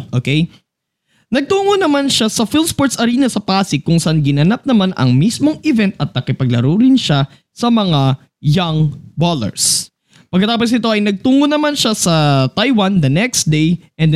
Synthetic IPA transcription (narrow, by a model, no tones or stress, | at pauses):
ʔoːkej | nɐɡ̚t̪uːŋonɐmanʃasɐfilspoɹt̪sɐɾiːnɐsɐpaːsɪkːʊŋsɐʔanɡɪnɐnap̚nɐmanʔɐ̰ŋmismo̞ŋɪvɛnt̪̚ɐt̪̚nɐkɪpɐɡ̚lɐɾoːɾɪnʃa | sɐmɐŋa | jaŋbalɛ̰ɹs | pɐɡkɐt̪aːp̬os̬nɪt̪o̞ʔɐjnɐɡ̚t̪uːŋonɐmanʃasɐt̪ajwɐnd̪ɐnɛkst̪̚d̪ejʔɛnd̪